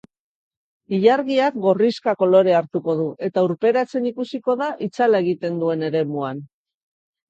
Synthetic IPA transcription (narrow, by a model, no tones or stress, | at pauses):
iʎaɾɣiakɡo̞riskako̞lo̞ɾe̞aɾt̪uko̞ðuʔe̞t̪auɾpe̞ɾat͡se̞nikusiko̞ðaʔit͡salae̞ɣ̞it̪e̞nd̪ue̞ne̞ɾe̞muan